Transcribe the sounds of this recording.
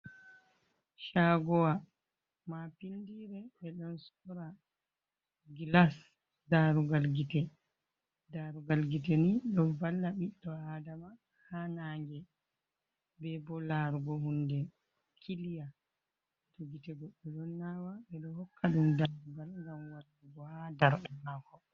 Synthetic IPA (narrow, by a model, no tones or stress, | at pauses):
ʃaɡɔwa | mapindiɾɛɓɛɗɔnsɔɾa | ɡilas | daɾuɡalɡitɛ | daɾuɡalɡitɛniɗɔvalːaɓiɗɔadama | hanaːŋɡɛ | bɛbɔlaɾuɡɔhundɛ | kʰilija | tɔɡitɛɡɔɓːɛɗɔnːawaɓɛɗɔhɔkʰːaɗumdaɾuɡalŋɡamwaɾduɡɔhadaɾɗɛmakɔ